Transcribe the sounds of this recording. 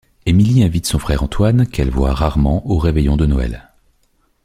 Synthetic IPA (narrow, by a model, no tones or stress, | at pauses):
emiliɛ̃vit̪sɔ̃fχɛʁɑ̃t̪wankɛlvwa̰ʁaʁmɑ̃ʔoʁevɛjɔ̃d̪ənɔɛ̰l